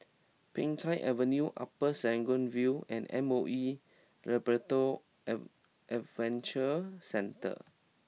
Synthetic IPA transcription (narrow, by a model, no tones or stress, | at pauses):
pɪ̃ŋtʰaɪʔɛvənjuʔa̰pəsɛ̃ŋɡɔ̃nviɛ̰̃nɛ̰̃moʔi | ɹɛbəto | ʔɛtvɛ̃nt͡ʃəsɛ̃ntə̰